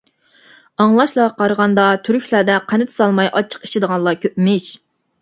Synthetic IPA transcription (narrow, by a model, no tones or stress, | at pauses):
ɑŋlˠɑʃlˠɑqʰɑɾəʁɑnd̪ɑt̪ʰyɾykʰʲlæd̪ɛqʰænɪt̪ʰɪ̥sɑlˠmɑjʔɑt͡ʃʰə̥qi̥ʃid̪əʁɑnlˠɑkʲʰøpmɪʃ